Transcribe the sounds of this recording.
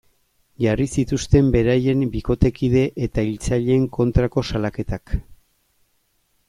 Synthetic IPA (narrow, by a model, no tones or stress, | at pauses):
ʝarisit̪ust̪e̞mbe̞ɾaje̞mbiko̞t̪e̞kiðe̞ʔet̪ailt͡saʎe̞ːŋkʰo̞nt̪ɾako̞salake̞t̪ak